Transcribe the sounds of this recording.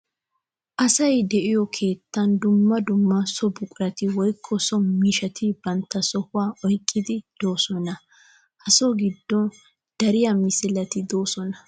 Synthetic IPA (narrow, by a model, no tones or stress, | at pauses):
ʔɐsɐjd̪ɛʔɪjɔkʰe̞ːt̪ːɐnd̪ʊmːɐd̪ʊmːɐsɔbʊkʼʊɾɐt̪ɪwɔjkʰːɔsɔmiːʃɐt̪ʰɪbɐnt̪ːɐsɔhʊwaːʔɔjkʼːɪd̪ɪd̪̥oːsɔnɐ | hɐsɔɡɪd̪ːɔn | d̪̥ɐɾɪjamɪsɪlɐt̪ɪd̪o̞ːsɔnɐ